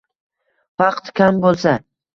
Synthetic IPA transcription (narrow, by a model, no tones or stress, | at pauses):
fɑqt̪kʲʰambolˠsa